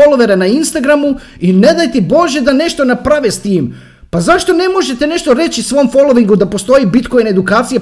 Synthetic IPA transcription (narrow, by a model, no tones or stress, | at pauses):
oloʋeɾenainst̪aɡɾamu | ine̞d̪ajt̪ibo̞ʒe̞d̪ane̞ʃt̪o̞napɾaʋest̪iːm | pazaʃt̪o̞ne̞mo̞ʒe̞t̪e̞ne̞ʃt̪o̞ɾe̞t͡ɕisʋo̞mfo̞lˠo̞ʋiŋɡud̪apo̞st̪o̞jibit̪ko̞jned̪ukaːt̪sije